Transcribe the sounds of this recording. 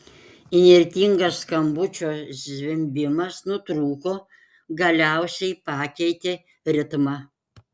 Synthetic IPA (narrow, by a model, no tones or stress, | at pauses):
ɪnʲɛɾʲt̪ʲiːŋɡɐsːkɐmbʊt͡ʃʲoːzʲʋʲɪmʲbʲɪmɐsnʊt̪ɾuːkoː | ɡɐlʲæˑʊsʲɛɪpɑːkʲɛɪt̪ʲeː | ɾʲɪt̪mɑ